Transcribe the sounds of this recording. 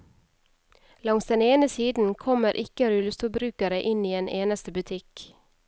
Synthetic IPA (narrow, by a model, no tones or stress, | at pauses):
lɑŋsd̪ɛneːnəsiːd̪n̩kʰɔməɾʔɪkəɾʉlst̪ʊbɾʉːkəɾəʔɪniːeːnʔeːnəst̪əbʉt̪ʰɪk